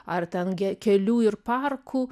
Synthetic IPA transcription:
ɐrt̪ʲɛnɡʲɛkʲɛlʲuːɪrpɑrkʰuː

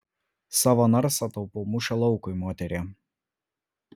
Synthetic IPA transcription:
sɑːʋɐnɐɾsɐt̪ɐʊpomʊʃʲɛlˠɔʊkʊɪmoːt̪ʲɛɾʲe

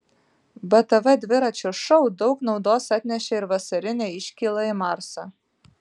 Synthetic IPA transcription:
bɐt̪ɐʋɐd̪ʲʋʲɪɾɐt͡ʃʲoʃɔʊd̪ɒʊknɒʊd̪oːsɑt̪ʲnʲɛʃʲɛɪɾʋɐsɐɾʲɪnʲeɪʃʲkʲiːlˠɐɪmɑˑɾsɐ

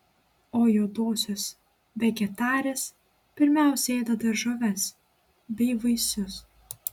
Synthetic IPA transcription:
oːjoːd̪oːsʲoːs | ʋʲɛɡʲɛt̪ɑːɾʲes | pʲɪɾʲmʲæˑʊsʲɛeːd̪ɐd̪ɐʒoʋʲɛs | bʲɛɪʋɐɪsʲʊs

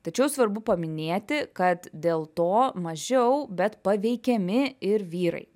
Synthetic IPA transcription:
t̪ɐt͡ʃʲɛʊsʋɐɾbʊpɐmʲɪnʲeːt̪ʲɪkɐt̪d̪ʲeːlˠt̪oːmɐʒʲɛʊbʲɛt̪pɐʋʲɛɪkʲɛmʲɪɪɾʋʲiːɾɐ̰ɪ

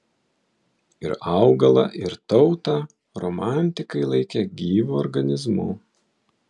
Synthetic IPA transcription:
ɪɾɑʊɡɐlˠɐ̰ʔɪɾt̪ɒʊt̪ɐ | ɾɔmɑˑnʲt̪ʲɪkɐɪlˠɐɪkʲɛɡʲiːʋuːɔɾɡɐnʲɪzmʊ̰

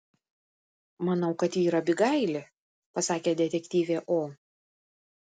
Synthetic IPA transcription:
mɐnɐʊkɐt̪iːɾɐbʲɪɡɐɪlʲɪ | pɐsɑːkʲeːd̪ʲɛt̪ʲɛkʲt̪ʲiːʋʲeːʔoː

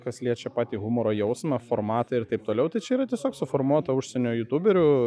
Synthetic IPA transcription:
kɐslʲiɛt͡ʃʲɛpɑːt̪ʲiːɣʊmoːɾoːjɛʊsmɐfoːrmɑːt̪ɐɪɾt̪ɐɪpt̪oːlʲɛʊt̪ɐɪt͡ʃʲɛiɾɐt̪ʲiɛsʲoːksʊfoːɾmuɔt̪ɐʊʃʲsʲɛnʲoːjʊt̪uːbʲɛɾʲʊ

